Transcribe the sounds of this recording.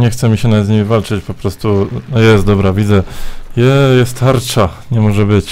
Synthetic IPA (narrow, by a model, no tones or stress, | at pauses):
ɲɛxt̪sɛmʲiɕɛnad̪ɲimʲivalt͡ʂɘt͡ɕpɔpɾɔst̪unɔjɛst̪̚d̪ɔbɾavʲid̪zɛjɛjɛst̪xaɾt͡ʂaɲɛmɔʐɛbɘt͡ɕ